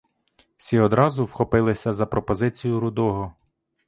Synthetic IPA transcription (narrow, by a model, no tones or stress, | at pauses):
wsʲiɔd̪ɾɑzʊwxɔpɪlˠɪsʲɐzɐpɾɔpɔzɪt͡sʲijʊɾʊd̪ɔɦɔ